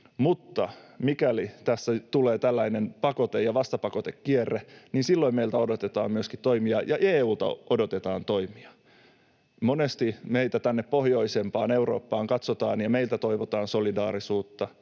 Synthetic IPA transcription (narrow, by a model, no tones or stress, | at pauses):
mut̪ːɑmikælit̪æsːæt̪uleːt̪ælːæinenpɑkot̪ejɑʋɑst̪ɑpɑkot̪ekːierːeninsilːoimeilt̪æodot̪et̪ɑ̰ːmmyøskit̪t̪oimiɑjɑʔeːuːt̪ɑ̰ʔodot̪et̪ɑːnt̪oimiɑ | monest̪imeit̪æt̪ænːeppohjoisempɑːneuro̰ːpːɑːŋkɑt̪sot̪ɑːnjɑmeilt̪æt̪o̞iʋot̪ɑːnsolidɑːɾisuːt̪ːɑ